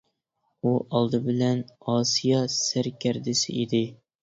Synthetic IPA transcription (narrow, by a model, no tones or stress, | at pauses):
uʔɑlˠd̪ɨbɪlɛnɑsijɑsæɾkʲʰæɾd̪ɪsɪʔid̪ɪ